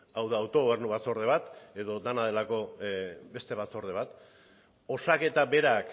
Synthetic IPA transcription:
awðaːwt̪o̞ɣ̞oβ̞e̞ɾnuβaso̞ɾðe̞β̞at̪e̞ðo̞d̪anað̞e̞lako̞be̞st̪e̞βat͡so̞ɾðe̞β̞at̪ | o̞sake̞t̪abe̞ɾak

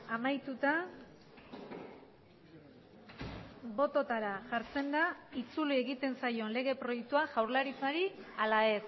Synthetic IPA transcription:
amajt̪ut̪a | bo̞t̪o̞t̪aɾaʝaɾt͡se̞nd̪ait͡sulie̞ɣit̪e̞nsajo̞nle̞ɣe̞pɾo̞jek̚t̪uaʝawɾlaɾit͡saɾialae̞s

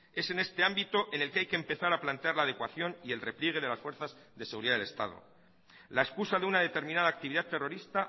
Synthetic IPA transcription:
e̞se̞ne̞st̪e̞ambit̪oʔene̞lkeajkempe̞θaɾaplant̪eaɾlaːðe̞kwaθjo̞nie̞lre̞pljeɣ̞e̞ðe̞lasfwe̞ɾθaz | ðe̞seɣuɾiðaðele̞st̪a̰ð̞o̰ | laeskusaðeunað̞e̞t̪e̞ɾmĩnað̞aːk̚t̪iβiðat̪e̞ro̞ɾist̪a

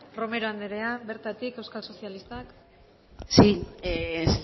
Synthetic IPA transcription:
ro̞me̞ɾoand̪eɾe̞abe̞ɾt̪at̪ike̞wskalso̞sialist̪ak | si

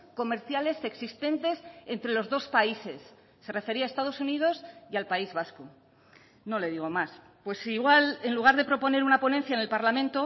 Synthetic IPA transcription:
ko̞me̞ɾθjale̞se̞ksist̪e̞nt̪e̞se̞nt̪ɾe̞lo̞zðo̞spaise̞sː | e̞re̞fe̞ɾiae̞st̪að̞o̞sunið̞o̞sjalpaizβasko | no̞le̞ðiɣ̞o̞mas | pwesiɣwale̞nluɣ̞aɾðe̞pɾo̞po̞ne̞ɾunapo̞nẽ̞n̟θjaene̞lpaɾlamẽ̞nt̪o̞

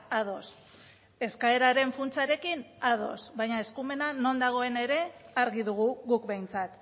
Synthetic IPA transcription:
að̞o̞s | e̞skae̞ɾaɾe̞ɱfunt͡saɾe̞kinað̞o̞̰sβajɲae̞skume̞nano̞nd̪aɣ̞o̞e̞ne̞ɾe̞aɾɣiðuɣ̞uɣukbe̞jnt͡sat̪

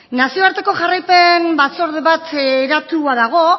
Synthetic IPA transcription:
nasio̞aɾt̪e̞ko̞ʝarajpe̞nbat͡so̞ɾðeβat̪eɾat̪uaðaɣ̞o̞

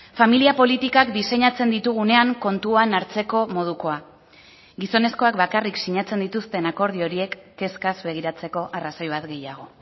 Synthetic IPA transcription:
familiapo̞lit̪ikakd̪ise̞ɲat͡se̞nd̪it̪uɣ̞une̞aŋko̞nt̪uanaɾt͡se̞ko̞mo̞ð̞uko̞a | ɡiso̞ne̞sko̞akbakariksiɲat͡se̞nd̪it̪ust̪e̞nako̞ɾðio̞ɾie̞kːe̞skazbe̞ɣ̞iɾat͡se̞ko̞ʔaraso̞jβat̪ɡe̞jaɣ̞o̞

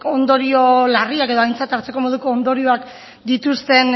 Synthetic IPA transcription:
o̞nd̪o̞ɾio̞lariake̞ðo̞ajnt͡sat̪aɾt͡se̞ko̞mo̞ðuko̞ːnd̪o̞ɾio̞ak | d̪it̪ust̪e̞n

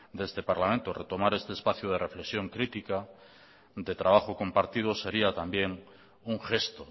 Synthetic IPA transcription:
d̪est̪epaɾlamẽnt̪oret̪omaɾest̪eːspaθjuð̞erefleksjõ̞ŋkɾit̪ika | d̪et̪ɾaβ̞axoko̞mpaɾt̪ið̞ose̞ɾiat̪ambje̞ŋ | uŋxest̪o

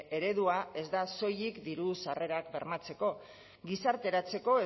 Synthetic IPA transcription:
e̞ɾe̞ðuae̞zd̪aso̞jikd̪iɾusare̞ɾakbe̞ɾmat͡se̞ko̞ | ɡisaɾt̪e̞ɾat͡se̞ko̞e

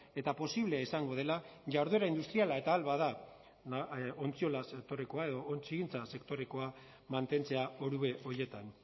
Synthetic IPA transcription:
e̞t̪apo̞siβle̞isaŋɡo̞ðe̞laʝawɾðue̞ɾaind̪ust̪ɾialae̞t̪aːlβaða | no̞nt͡sio̞lasekt̪o̞ɾe̞ko̞ae̞ðo̞ːnt͡siɣint͡sase̞kt̪o̞ɾe̞ko̞a | mant̪e̞nt͡se̞aoɾuβe̞ʔo̞ɾje̞t̪an

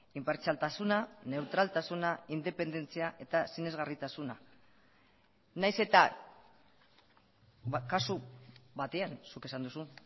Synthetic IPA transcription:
impeɾt͡ʃalt̪asunane̞wt̪ɾalt̪asunaind̪e̞pe̞nd̪e̞nt͡siaʔe̞t̪asine̞zɣarit̪asuna | najse̞t̪a | kasuβat̪e̞ansuke̞sand̪usu

